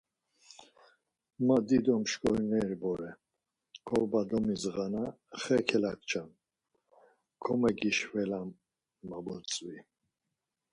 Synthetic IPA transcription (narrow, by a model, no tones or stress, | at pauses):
mad̪id̪ɔmʃkʼɔɾnɛɾbɔɾɛ | kʰɔvbad̪ɔmizʁana | χɛkʰɛlak̚t͡ʃʰan | kʰɔmɛɡiʃvɛlamː | abɔt͡sʼvi